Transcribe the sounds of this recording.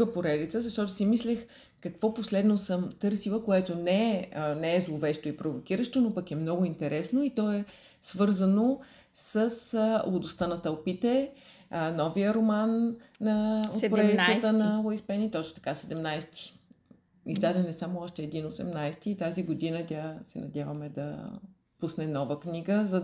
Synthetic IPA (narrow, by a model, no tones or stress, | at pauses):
əpoɾɛd̪it̪səzɐʃt̪ɔt̪ʊsimislɛx | kɐkvɔposlɛd̪nosəmt̪ɤɾsilˠəkoɛt̪onɛənɛːzlˠovɛʃt̪oipɾovokiɾəʃt̪onopɐkɛmnɔɡʊint̪ɛɾɛsnoit̪ɔɛ | svɤɾzəno | səslˠod̪ʊst̪anɐt̪ɐlˠpit̪ɛ | nɔvijəɾomanːɐot̪poɾɾɛliət̪ənɐlˠoispɛnit̪ɔt͡ʃno̥t̪ɐ̥kasɛd̪ɛmnajst̪i̥ | izd̪ad̪ɛnɛsamʊɔʃt̪ɛːd̪inosɛmnajst̪iːt̪aziɡod̪inət̪ʲasɛnɐd̪ʲavɐmɛd̪ɐ̰ | pusnɛnɔvəkniɡəzɐ